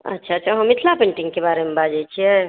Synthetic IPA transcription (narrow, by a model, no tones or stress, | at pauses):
ə̰tːʃʰatːt͡ʃʰaɦəmɪt̪ʰlapẽɳʈiŋɡkebaːɾemebad͡ʒajt͡ʃʰiɛ